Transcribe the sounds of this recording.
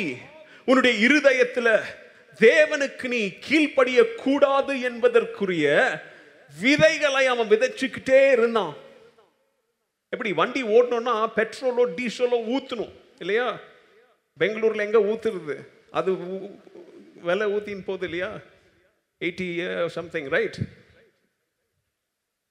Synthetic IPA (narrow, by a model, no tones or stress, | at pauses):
ʊnːɯɽɐjɐɪɾɯðɐjɐt̪ːɪlɐ | d̪eːʋɐnɯkːɯniːkʰiːɭpɐɽɪjɐkʰːuːɽaːðɯɛnbɐðɐrkɯrɪjɐ | ʋɪðɐɪɣɐɭɐɪɐʋɐ̃ʋɪðɐɾt͡ʃːɯkːɪʈːeːɪɾɯnd̪ãː | ɛpːɐɽiʋɐɳɖioːɽɐɳʊ̃nːaːpɛʈɾoːloːɖiːsoːloːuːt̪ːɯnʊ̃ | ɪlːɐjaː | bɛŋɡɐɭuːɾɪlɛŋɡeːuːt̪ːɪɾɐðɯ | ʔɐ̰ðɯ | ʋɛlɛuːt̪ːinpoːðɯɪlːɐjaː | eɪʈːisɐ̃mt̪ɪ̃ŋɾɐɪʈ